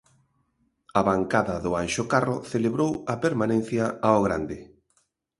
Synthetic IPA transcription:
ɐβaŋkaðɐðʊanʃokaroθeleβɾowɐpeɾmanẽn̟θjaaoɣ̞ɾand̪ɪ

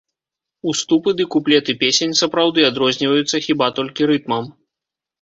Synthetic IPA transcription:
ust̪upɨd̪ɨkuplʲɛt̪ɨpʲesʲenʲsɐpɾawd̪ɨad̪ɾɔzʲnʲivɐjut̪sːɐxʲibat̪ɔlʲkʲiɾɨt̪̚mɐm

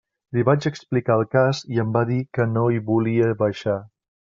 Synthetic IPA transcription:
liβat͡ʃəksplikaːlˠkaziəmbaðikənoiβuliəβəʃa

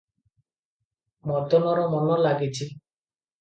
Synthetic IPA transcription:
mɔt̪ɔnɔɾɔmɔnɔlaɡit͡ʃi

